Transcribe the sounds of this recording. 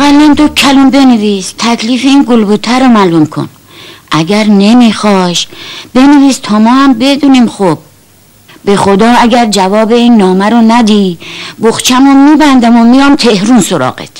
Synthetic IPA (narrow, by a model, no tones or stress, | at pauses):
æɣælːind̪okʰːælumbe̞neviːst̪ʰækʰliːfeiːnɡolbut̪ʰæɾomælumkʰo̰n | ʔæɡʲæɾne̞mixɒːʃb̥e̞neviːst̪ʰɒːmɒːhæmbe̞d̪uniːmxob̚ː | e̞xod̪ɒːæɡæɾd͡ʒævɒːbe̞iːnːɒːmæɾonæd̪iboxt͡ʃʰæmomiːbænd̪æmomijɒːmt̪ʰehɾunsoɾɒ̰ːɣḛt̪ʰ